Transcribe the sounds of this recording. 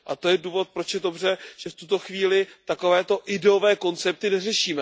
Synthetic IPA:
ʔat̪o̞jɛduːvo̞t̪̚pɾo̞t͡ʃjɛdo̞br̝ɛʒ̥ɛft̪ut̪o̞xviːlɪt̪ako̞vɛːt̪o̞ʔɪdɛovɛːko̞nt͡sɛp̚t̪ɪnɛrɛʃiːmɛ

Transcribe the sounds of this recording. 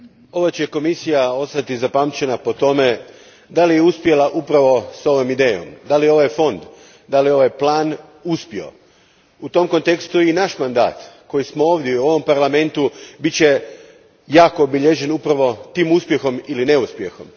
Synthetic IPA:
o̞ʋot͡ɕeko̞misijao̞st̪at̪izapamt͡ʃe̞napo̞t̪o̞me̞ | d̪alijeuspje̞laʔupɾaʋo̞so̞ʋomid̪eːjo̞̰md̪alijo̞ʋajfo̞nd̪ | d̪alio̞ʋajplˠaːn | uspio̞̰ | ut̪o̞mko̞nt̪e̞kst̪uinaʃmand̪a̰ːt̪ko̞jismo̞oːʋd̪ʲjeuo̞ʋo̞mpaɾlame̞nt̪ubitt͡ɕe̞ | jaːko̞ːbiʎe̞ʒe̞nupɾaʋo̞t̪iːmuspje̞xo̞miline̞uspje̞̰xo̞m

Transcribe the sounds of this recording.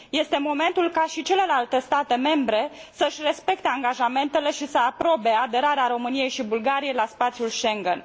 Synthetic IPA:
je̞st̪e̞mo̞me̞nt̪ulkaʃit͡ʃe̞le̞lalt̪e̞st̪at̪e̞me̞mbɾe̞səɨʃʲre̞spe̞k̚t̪eaŋɡaʒame̞nt̪e̞le̞ʃisəapɾo̞be̞ad̪e̞ɾaɾeaɾo̞mɨnije̞jʃibulɡaɾije̞jlaspat̪sjulʃe̞ŋɡen

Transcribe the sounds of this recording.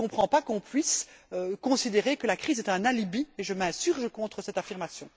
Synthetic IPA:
ɔ̃pχɑ̃pakɔ̃pɥisøkɔ̃sid̪eʁekəlakχiːzɛt̪ɛ̃nalibieʒəmɛ̃syʁʒəkɔ̃t̪χəsɛt̪afiʁmasjɔ̰̃

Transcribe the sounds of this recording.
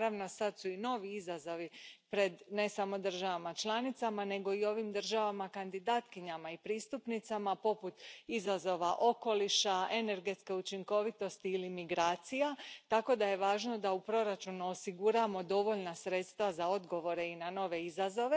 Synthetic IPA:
ɾaʋno̞sad̪suino̞ːʋiizazo̞ʋipɾe̞d̪ne̞samo̞d̪r̩ʒaʋamat͡ʃlˠanit̪samane̞ɡo̞io̞ʋimd̪r̩ʒaʋamakand̪id̪aːt̪kiɲamaipɾiːst̪upnit̪samapo̞put̪izazo̞ʋaʔo̞ko̞liʃaene̞ɾɡe̞t̪ske̞ut͡ʃiŋko̞ʋit̪o̞st̪iːlimiɡɾaːt̪sijat̪ako̞d̪aje̞ʋaːʒno̞d̪aupɾo̞ɾat͡ʃunuo̞siɡuɾamo̞d̪o̞ʋo̞ʎnasɾe̞t̪st̪ʋazao̞d̪ɡo̞ʋo̞ɾe̞inano̞ʋe̞izazo̞ʋe

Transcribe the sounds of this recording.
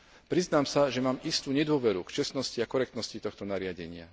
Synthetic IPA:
pɾiznaːmsaʒɛmaːmist̪uːɲɛd̪ʊɔʋɛɾukt͡ʃɛst̪nɔsciakɔɾɛkt̪nɔscit̪ɔxt̪ɔnaɾɪaɟɛɲɪa̰

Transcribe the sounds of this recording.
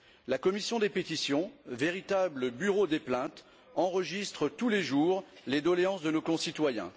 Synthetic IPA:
lakɔmisjɔ̃d̪epet̪isjɔ̃veʁit̪abləbyʁod̪eplɛ̃t̪ | ɑ̃ʁəʒist̪χət̪uleʒuːʁled̪ɔleɑ̃sd̪ənokɔ̃sit̪wajɛ̰̃

